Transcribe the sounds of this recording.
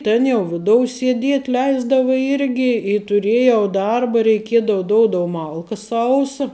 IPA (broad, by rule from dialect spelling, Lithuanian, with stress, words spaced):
ˈtʲeːn jɛʊ ˈʋʲɪdoːʊ sʲiɛˈdʲiɛtʲ ˈlʲɛɪzdɐʋʊ ˈɪrʲɡʲɪ ɪ tʊˈrʲeːjɛʊ ˈdɐrbɐ rʲɛɪˈkʲiɛdɐʋɐ ˈdoːʊdoːʊ ˈmɐlˠkɐ ˈsɐʊsɐ